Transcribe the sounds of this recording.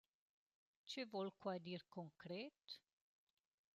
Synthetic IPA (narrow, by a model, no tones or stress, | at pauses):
t͡ʃevɔlkwad̪irkoŋkɾɛt̪